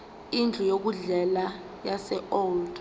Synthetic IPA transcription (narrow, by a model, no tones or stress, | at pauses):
ind͡ɮʱɔjok̬uɮɛla | jasɛʔoːld̥